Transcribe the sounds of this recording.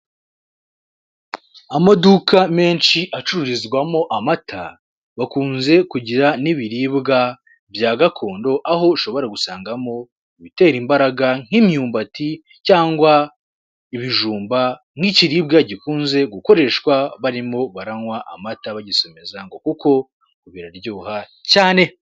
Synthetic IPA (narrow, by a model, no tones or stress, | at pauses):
amadukʰame̞ːnʃiʔat͡ʃuɾuɾizɡwamo̞ʔamatʰa̰ | βakuːnze̞kuɟiɾaniβiɾibɡa | bjaːɡakʰo̞ːndo̞ʔaɦo̞iʃo̞βo̞ɾaɡusaːŋɡamo̞ | iβite̞ːɾimbaɾaɡaŋ̥himɲuːmbati | caːŋɡwa | iβiʒuːmba | ŋ̥iciɾiːbɡaɟikuːnze̞ɡuko̞ɾe̞ʃwaβaɾimo̞βaɾaŋwaʔa̰mataβaɟiso̞me̞zaŋɡo̞kuko̞ | kuβiɾaɾɟuːha | caːne̞